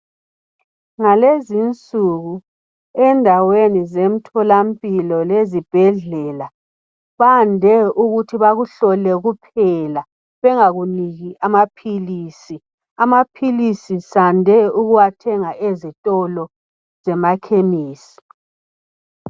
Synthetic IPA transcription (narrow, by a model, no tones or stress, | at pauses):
ŋalezint͡sʼuɣu | ɛndʱawenizem̩tʰɔlampʼilɔlezib̥ʱɛɮɛla | βandʱɛuɣutʰiβaɣuɬɔlɛɣupʰɛla | βɛŋaɣuniɣiʔamapʰiliːsi | amapʰilisisandʱɛuɣuwatʰɛŋaʔezitʼɔlɔ | zɛmakʰemiːsi̥